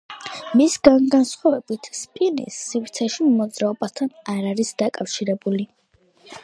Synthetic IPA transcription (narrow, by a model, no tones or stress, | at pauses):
misɡanɡansχwavɛbit̪ʰspʼinḭsːivɾt̪sʰɛʃimɔd̪zɾaɔbast̪ʰanaɾaɾisd̪akʼafʃiɾɛbuli